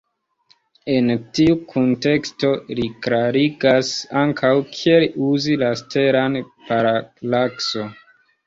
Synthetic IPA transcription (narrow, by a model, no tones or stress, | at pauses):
e̞ntiukʰonte̞ksto̞likɾaɾiɡasaŋkʰawkʰieliuzilaste̞ɾan | paɾalakson